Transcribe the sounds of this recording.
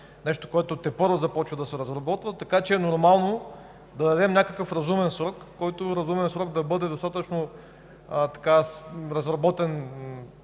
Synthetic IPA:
nɛʃt̪o̥koɛt̪ot̪ɛpɤɾvozɐpɔt͡ʃvəd̪ɐsɛɾɐzɾɐbɔt̪vət̪ːɐkat͡ʃɛːnoɾmalˠno | d̪ɐd̪ɐd̪ɛmnʲakəkəfɾɐzumɛnsɾɔkːɔjt̪oɾɐzumɛnsɾɔɡ̚d̪ɐbɤd̪ɛd̪ost̪at̪ət͡ʃno | ət̪ɐ̥kasɾɐzɾɐbɔt̪ɛn

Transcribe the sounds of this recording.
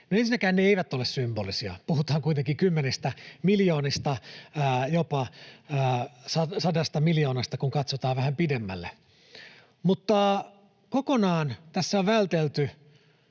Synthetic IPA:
noensinːækæːneeiʋæt̪ːolessymbolisiɑ̰puhut̪ɑhːŋkuit̪eŋkikymːenest̪æmiljo̞ːnist̪ɑ | jopɑː | sɑsɑdɑst̪ɑmiljo̞ːnɑst̪ɑkuŋkɑt̪sot̪ɑːʋʋæhæmpidemːæ̰lːḛ | mut̪ːɑ | kokonɑːnt̪æsːæoʋʋælt̪elt̪y

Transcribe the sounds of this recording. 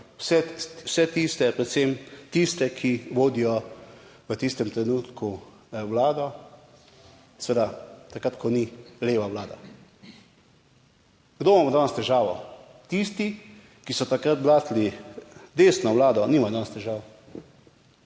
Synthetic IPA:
wsɛwsɛt̪ist̪ɛpɾɛt̪semt̪ist̪ɛkʰiʋoːd̪ijɔ | ʋət̪ist̪ɛmt̪ɾɛnuːt̪ku | wlaːd̪ɔ | sɛʋeːd̪at̪akɾat̪kɔnileːʋawlaːd̪a̰ | ɡd̪omaːmɔd̪ɔnst̪ɛʒaːʋɔ̰ | t̪ist̪i | kisɔt̪akɾat̪blaːt̪lid̪eːsnɔwlaːd̪ɔnimajd̪ɔnst̪ɛʒaːw

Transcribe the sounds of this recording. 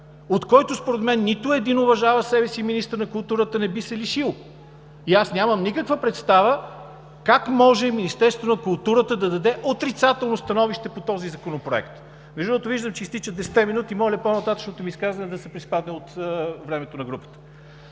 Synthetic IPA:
ot̪kɔjt̪ʊspoɾɛd̪mɛnːit̪ʊɛd̪inovɐʒavɐsɛbɛsiminist̪əɾnɐkʊlˠt̪uɾət̪ənɛbisɛliʃilˠ | iasnʲaməmnikəkvəpɾɛt̪st̪avə | kakmɔʒɛminist̪ɛɾst̪vonɐkʊlˠt̪uɾət̪əd̪ɐd̪ɐd̪ɛʔot̪ɾit̪sat̪ɛlˠnost̪ɐnɔviʃt̪ɛpot̪ɔzizɐkonopɾoɛ̰kt̪ | mɛʒuɔt̪ʊviʒd̪əmt͡ʃɛist̪it͡ʃəd̪ɛsɛ̥t̪ɛminut̪imɔlʲɛpɔnɐt̪at̪ə̥t͡ʃnot̪omiskazɐnɛd̪ɐsɛpɾispad̪nɛot̪vɾɛmɛt̪onɐɡɾupə̥t̪ə̥

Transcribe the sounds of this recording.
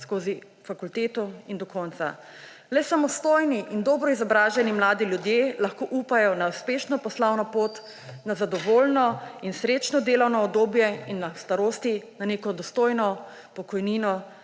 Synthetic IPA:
skoːzi | fakult̪eːt̪ɔind̪ɔkɔnt̪sa̰ | lɛsamɔst̪ojniʔind̪ɔːbɾɔizɔbɾaːʒɛnimlaːd̪iljud̪jelaxkoːʔupajɔnauspeːʃnɔpɔslaːwnɔpot̪ | nazad̪ɔʋoːlnɔinsɾet͡ʃnɔd̪eːlɔwnɔːd̪oːbjɛinːast̪aɾoːst̪inaneːkɔd̪ɔst̪oːjnɔ | pɔkɔjniːnɔ

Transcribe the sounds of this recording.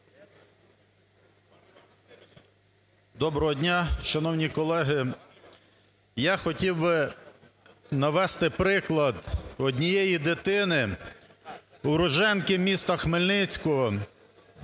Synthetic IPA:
d̪ɔbɾɔɦɔdʲnʲaʃɐnɔwnʲikɔlˠɛɦɪ | jaxɔtʲiwbɪ | nɐʋɛst̪ɪpɾɪklˠɐd̪ɔdʲnʲijɛjid̪ɪt̪ɪnɪ | ʊɾʊʒɛnkɪmʲist̪ɐxmelʲnɪt͡sʲkɔɦɔ

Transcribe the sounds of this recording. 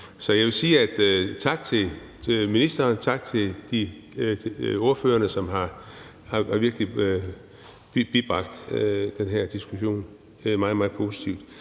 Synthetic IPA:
sɒ̽jɑʋe̝siːæd̥t͡sʰɑ̈ɡ̥̚t͡sʰe̝l | minisd̥ɐːnt͡sʰɑ̈ɡ̥̚t͡sʰe̝ld̥i | o̝ɐføːɐnəsɒ̽mɦɑ̈ | hɑ̈hɑʋiɐɡ̥li | b̥ib̥ʁɑ̈ɡ̥d̥d̥enɦæɐ̰d̥isɡ̥uɕo̝̰ːn | mɑ̈ːðˠmɑ̈ːð̩ˠpʰo̝si̥t͡sʰiʊ̰d̥

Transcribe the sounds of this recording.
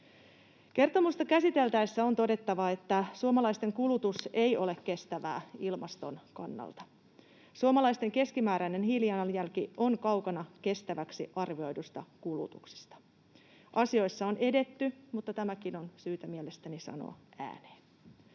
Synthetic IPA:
ke̞rt̪o̞must̪ɑkæsit̪e̞lt̪æesːæo̞nt̪o̞de̞t̪ːɑʋɑe̞t̪ːæsuomɑlɑist̪e̞ŋkulut̪use̞io̞le̞kːe̞st̪æʋæ̰ːilmɑst̪o̞nkɑ̰nːɑ̰lt̪ɑ̥ | suomɑlɑjst̪e̞ŋke̞skimæːɾæjne̞nhiljɑnɑljælkio̞ŋkɑwkɑnɑke̞st̪æʋæksiʔɑrʋio̞jdust̪ɑkulṵt̪uksi̥st̪ɑ̥ | ʔɑsio̞jsːɑo̞ne̞de̞t̪ːymut̪ːɑt̪æmækino̞nsyːt̪æmiele̞st̪ænisɑ̰no̰ɑæ̰ːneː

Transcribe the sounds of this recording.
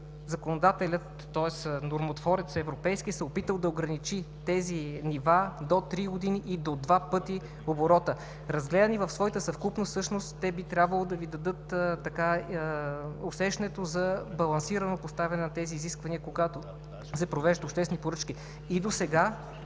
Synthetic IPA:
zɐkonod̪at̪ɛlʲət̪ːɔɛsnoɾmot̪fɔɾɛt̪sɛvɾopɛjsk̟isɛopit̪əlˠd̪ɐoɡɾɐnit͡ʃi | t̪ɛzinivad̪ot̪ɾiɡod̪iniʔːd̪od̪vapɤt̪i | oboɾɔt̪ə | ɾɐzɡlɛd̪ɐnivəfsvɔit̪əsɐfkupnot̪sɤʃnost̪ːɛbit̪ɾʲabvəlˠod̪ɐvid̪ɐd̪ɤt̪t̪ɐka | osɛʃnɛt̪ozɐbɐlˠɐnsiɾənopost̪avʲɛɐnɛnɐt̪ɛziːziskvɐniəkoɡat̪o | sɛpɾovɛʒd̪opʃt̪ɛsnipoɾɤt͡ʃk̟iː | d̪osɛɡa

